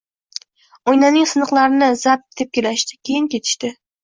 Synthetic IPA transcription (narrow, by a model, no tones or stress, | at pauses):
ojnanɪŋsɨnɨqlˠaɾɪnɪzap̚d̪̥ep̚kʲelaʃt̪ɪ̥kʲʰe̞jɪnkʲʰe̞t̪ʰɪ̥ʃt̪ɪ